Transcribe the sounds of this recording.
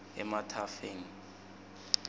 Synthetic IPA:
ɛ̰matʰafeːŋ̩

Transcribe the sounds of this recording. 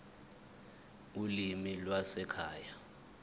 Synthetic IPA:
ulimilwasɛkʰaːja

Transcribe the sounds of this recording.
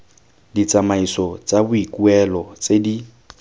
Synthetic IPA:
dit͡sʼamaisɔt͡sʼabʊikʼuɛlɔt͡sʼedi

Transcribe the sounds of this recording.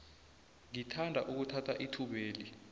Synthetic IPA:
ŋitʰandʱaʔuk̬utʰatʰaʔitʰuɓeːli

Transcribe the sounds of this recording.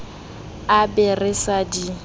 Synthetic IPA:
abɛrɪsadi

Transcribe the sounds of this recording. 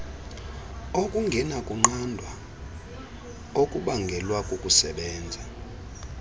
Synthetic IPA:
okʼuŋɡʱɛnakʼuŋ͡ǃandʱwa | okʼuɓaŋɡʱɛlwakʼukʼusɛɓɛːnd͡zʱa

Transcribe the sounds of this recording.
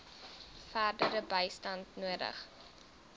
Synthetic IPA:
fæːrdəɾəbəjstɐntnuədə̰χ

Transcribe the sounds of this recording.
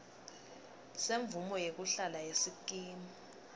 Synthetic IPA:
seɱvumɔjek̬uɬalajesikʼiːmi

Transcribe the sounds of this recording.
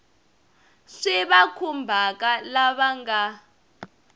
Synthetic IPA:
ʂɛβakʰumbʱak̬ʼalaβaŋɡa

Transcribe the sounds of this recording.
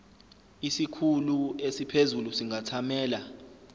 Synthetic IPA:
isikʰuluesipʰezulusiŋʱatʰamɛːla

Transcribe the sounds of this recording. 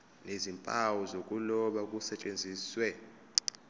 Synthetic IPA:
nezimpʼawɔzokʼulɔɓak̬ʼusɛt͡ʃʼend͡zʱiːswɛ

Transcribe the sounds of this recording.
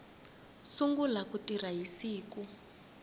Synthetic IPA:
suŋɡulakutiraɦisiːku

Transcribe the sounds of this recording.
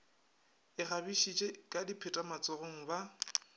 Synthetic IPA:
ɪχabiʃit͡ʃʼekʼadipʰɪtʼamat͡sʼɔroŋ̩ba

